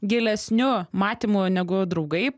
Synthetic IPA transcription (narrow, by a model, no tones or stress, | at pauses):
ɡʲelʲɛsʲnʲʊmɑːt̪ʲimʊnʲɛɡʊd̪ɾɐʊɡɐɪ